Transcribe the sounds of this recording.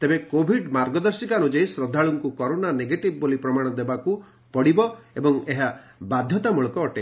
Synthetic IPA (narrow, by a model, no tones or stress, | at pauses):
t̪ebekobʱiɖmaɾɡɔd̪ɔɾsikanud͡ʒejsɾɔd̪ʱːaɭuŋkukɔɾonaneɡeʈibɔbolipɾɔmaɽ̃ɔd̪ebaku | pɔɽibɔebɔŋeɦabad̪ʱjɔt̪amuɭɔkɔːʈe